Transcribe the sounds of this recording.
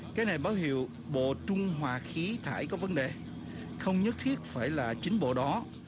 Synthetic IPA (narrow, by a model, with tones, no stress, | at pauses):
kaː˨˦jna˨˩jɓaː˨˦wɦi˧˩˨əw | ɓo̰˧˨t͡ɕʊ˧ŋ͡mɦwaː˨˩xi˨˦t̪ʰaː˧˩jkɔ˨˦və˨˦nɗe˨˩ | xə˧wŋ͡mɲə˦˥t̚t̪ʰi˦˥ət̚faː˧˩jlaː˨˩t͡ɕï˨˦ŋ̟ɓo̰˧˨ɗɔ˨˦